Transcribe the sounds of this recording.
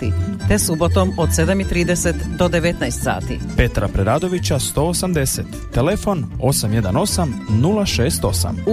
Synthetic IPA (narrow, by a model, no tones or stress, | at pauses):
ḭt̪esubo̞t̪omod̪sed̪amit̪ɾiːd̪eset̪d̪od̪eʋe̞t̪najst̪sa̰ːt̪ḭ | pe̞t̪ɾapɾeɾaːd̪o̞ʋit͡ɕast̪o̞ːosamd̪eset̪ːelefo̞no̞samje̞d̪ano̞samnulˠaʃe̞ːst̪o̞sa̰m